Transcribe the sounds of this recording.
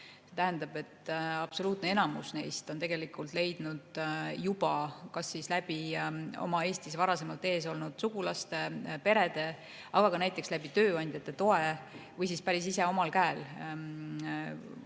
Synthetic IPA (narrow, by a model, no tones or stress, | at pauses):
se̞t̪æɦænd̪ɑb̥e̞t̪ːɑb̥so̞luːt̪ˑneenɑmusne̞̰jst̪o̞nt̪e̞ɡ̥e̞likˑult̪ˑle̞jd̪̥nud̪̥jub̥ɑkɑsːislæb̥io̞̰mɑe̞ːst̪isvɑɾɑse̞mɑlt̪ːˑe̞ːso̞lnud̪̥suɡ̥ulɑst̪e̞pe̞ɾe̞d̪̥e̞ | ɑɡ̥ɑkɑnæjt̪ːˑe̞kslæb̥it̪ø̞ːɑnʲd̪̥ʲjɑt̪ːˑe̞t̪o̞e̞vɯjsispæɾisise̞o̞mɑlkæel